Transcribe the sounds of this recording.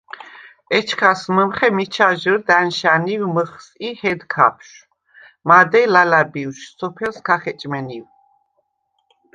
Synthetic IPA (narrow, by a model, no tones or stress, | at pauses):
ɛt͡ʃʰkʰasməmχɛmit͡ʃʰaʒəɾd̪anʃaniwməχsihɛd̪kʰa̰pʰʃ | mad̪ɛlalabiuwʃsɔpʰɛlskʰaχɛt͡ʃʼmɛniw